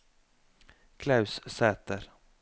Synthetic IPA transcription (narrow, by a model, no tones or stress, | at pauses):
kʰlaʉssɛːt̪əɾ